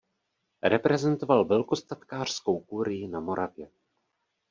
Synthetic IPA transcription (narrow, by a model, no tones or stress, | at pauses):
ɾɛpɾɛzɛnt̪o̞valvɛlko̞st̪at̪kaːr̝̥sko̞wkuɾɪjɪnamo̞ɾʔavjɛ